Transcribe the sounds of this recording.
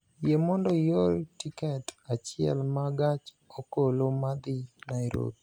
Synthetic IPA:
jemɔndɔjoltikɛtat͡ʃɪɛ̰lmaɡat͡ʃ | okolomad̪ɪnaɾo̰bi

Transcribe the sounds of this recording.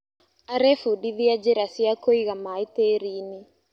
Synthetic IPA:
aɾɛfuɗiðiad͡ʒɛɾasiakoiɣamait̪eɾini

